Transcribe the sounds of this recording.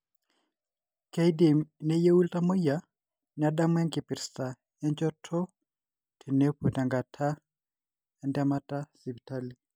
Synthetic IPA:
ke˦jdi˨mne˦je˦wu˦lta˦mo˦ja˨˦ | nɪa˨da˦mwɛ˦ŋkɪ˨pɪ˨ɾsta˨ | ɛ˦nt͡ʃɔ˦tʰɔ˦ | tʰe˨ne˦po˨ta˨ŋɡa˨tʰa˦ | ɛ˦nda˦ma˦ta˦si˨bta˦li˨

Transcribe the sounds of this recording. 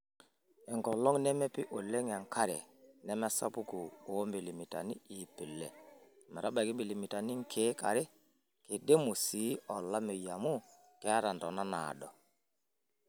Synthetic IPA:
ɛ˨ŋɡɔ˨lɔ˦ŋnɛ˦mɛ˦pi˦ʔo˨lɛ˦ŋ˨a˨ŋka˦ɾɛ̰˨nɛ˦mɛ˦sa̰˦pu˦ku˨o˨˦mbe˨li˨mi˨ta̰˨ni˦i˨pɪ˨lːɛ˨ | mɛ˨ɾʔa˦ɓa˨ki˦mbi˨li˨mi˨ta˨ni˦ŋ˦kʰe˨˦ka˨ɾɪ˦ | ke˨de˦mo˨si˨˦ɔ˨la˦me˨ja˨mu˦ | kɛ˦a˦ɾa˨ndɔ˨na˦na̰˨dɔ˨

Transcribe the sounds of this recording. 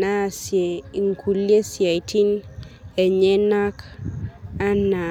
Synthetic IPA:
na˦˨se˨ŋ˨kʰu˨lje˦sja˨i˨tʰi˦nɛ˨ɲɛ˦na˦k | a˦na˨

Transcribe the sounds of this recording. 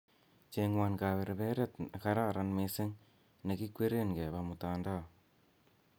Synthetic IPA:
t͡ʃeŋwa˧nka˨βe˨ɾbɛ˦ɾe˦taka˦ɾa˦˨ɾa˦nme˦se˦ŋ | ne˨ki˦kwe˦ɾe˦nɡɛ˨ba˨mu˨taːnda˦˨

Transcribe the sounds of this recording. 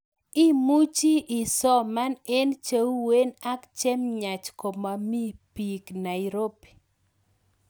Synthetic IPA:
i˦mu˦t͡ʃi˦ʔɪ˨sɔ˦ma˦ne˦nt͡ʃe˦wu˦we˦na˦kt͡ʃɛ˦mɲa˨t͡ʃko˨ma˨mi˦pi˨kna˨i˨ɾo˦pi̥˨

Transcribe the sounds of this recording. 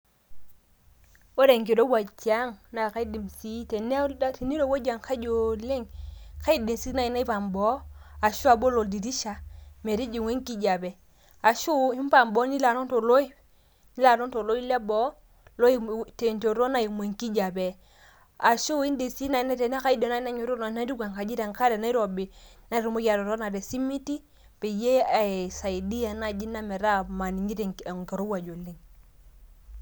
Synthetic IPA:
o˦ɾe˨ŋk̬i˨ɾo˦wa˨t͡ʃi˨a˦ŋna˨ka˦i˦di˨msi˦te˨ne˦ti˨ni˦ɾo˦˨wo˦d͡ʒa˨ŋka˦d͡ʒo˨le˦ŋka˦i˦˨de˨si˦na˦i˨˦na˦i˦pa˨mbo˦a˨ʃu˦a˨bo˦lo˨di˨ɾi˦ʃa˨me˨ɾi˦d͡ʒi˨ŋʷwe˦ŋki˦d͡ʒa˨be˨ | a˨ʃu˦i˦m˦pa˨mbo˨˦ni˦la˨no˦nto˨lo˦i˦ | ni˦la˨no˦nto˨lo˦i˦le˦bo˦ | lo˦i˦te˨nto˨ɾo˦na˦˨ji˨m˨e˨ŋki˦d͡ʒa˨bɛ˨ | a˨ʃu˦i˦nde˨si˦na˨˦nɛ˦tɛ˨na˦ka˦i˦dɔ˨na˦na˦ɲo˨ɾo˦na˨˦na˦ɾi˦ɡa˨ŋka˨d͡ʒi˦ɾe˨ŋka˦ɾe˨na˦i˦ɾo˨be˨na˦ɾu˨mo˦ka˨ɾɔ˨ɾo˦na˨de˨si˦mi˦ti˦ | pe˨je˦a˨sa˨i˨di˦a˨na˨d͡ʒi˦na˦mɛ˨ɾa˦ma˨ni˨ŋɡi˦tɛ˨ŋ˨ŋ˨kɛ˨ɾo˦wa˨d͡ʒo˨le˦ŋ

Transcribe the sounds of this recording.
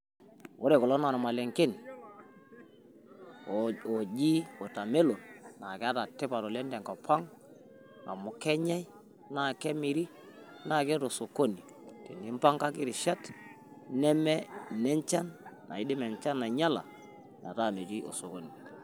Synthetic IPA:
wo˦ɾe˨kɔ˨lɔ˦na˨ɾɔ˨ma˨lɛ˨ŋkɪ˦n | ɔ˨d͡ʒi˦ɔ˨ta˨me˦lo˨nna˨kɛ˦a˦ta˨tɛ˦pa˨tɔ˨lɛ˦ndɛ˨ŋkɔ˨pʰa˦ŋ | a̰˨mʊ˨kɛ˦ɲɛ˦ | na˦˨kɛ˦mi˨ɾi˦ | na˨kɛ˦to˨so˨ko˦ni˨ | tɛ˨ni˦m˦pa˦ŋka˦kɪ˦ɾɪ˨ʃa˦t | nɛ˦mɛ˦nɛ˦ɲt͡ʃa˦nː | a̰˨ɪ˦dɪ˦mɛ˨nt͡ʃa˦na˨ɲa˦la̰˨ | na̰˨ta˦˨me˨ti˦o̰˨so˨ko˦ni˨

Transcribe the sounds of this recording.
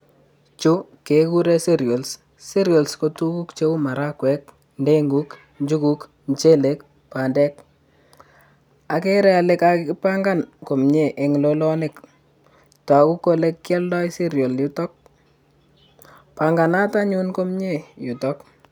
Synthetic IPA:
t͡ʃu˦ke˨ku˦ɾe˦se˦ɾjo˨ls | se˦ɾjo˨lskotu˦ku˦kt͡ʃe˦u˦ma˨ɾa˦kwɛ˨k̚ | nde˦ŋɡu˦k | ɲd͡ʒu˦ku˦k | ɲt͡ʃe˦le˦k | pa˨ndɛ˦k̚ | a˨ke˦ɾɛ˦a˨le˦ka˦kɪɪ˦pa˦ŋɡa˦˨nko˨mɲe˨ʔe˨ŋ˨lo˦lɔ˦nɪ˨k | ta˨ku˦kːo˦le˦kjɛ˦lːɔ˦se˦ɾjo˨ljʊ˦tɔ˦k̚ | pa˨ŋɡa˨na˦ta˦ɲu˦nko˦mɲe˦˨jʊ˨tɔk̚

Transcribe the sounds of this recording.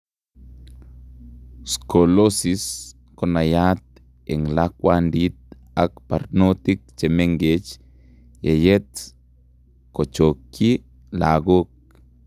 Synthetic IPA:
sko˨losis | ko˨na˨ja˦t̪̚ | e˨ŋlak̚wand̪it̪̚ | akpa˨ɾnot̪i˦k̚t͡ʃe˨me˦ŋɡet͡ʃ | je˨je˦t̪ | ko˨t͡ʃo˨kːi˦ | la˨ɡo˦k̚

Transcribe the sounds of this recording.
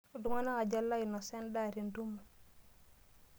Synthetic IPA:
u˨du˨ŋa˦na˦ka˨d͡ʒa˦lːa˦i˨nɔ˨se˦nda˦˨ɾi˨ndu˦mu˨

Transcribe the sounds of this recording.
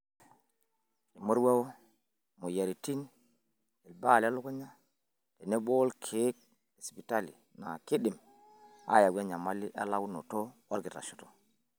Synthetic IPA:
li˨mo˦ɾwa˦wo˦ | mo˨ja˨ɾi˨ti˦n | e˨lba˦˨la˦lo˦ko˦ɲa˦ | de˨ne˦ɓoː˦lkʰe˦k̚ | le˨spi˨ta˦lḭ˨ | na̰˨ki˦ɗi˨m | a̰˦ja˨wa˦ɲa˨ma˦li˦ʔa̰˦la˦wno̰˨to˦wa˦ɾɡi˨tɾa̰˨ʃu̥˨˦to̥˨

